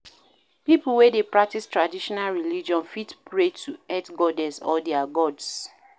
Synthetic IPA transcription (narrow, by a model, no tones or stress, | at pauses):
pipul̩wɛdepɹak̚tistɹadiʃɔnalɹiliid͡ʒiɔ̃nfitpɹetʰuɛtɡɔdɛ̃sɔ̰ldɛaɡɔds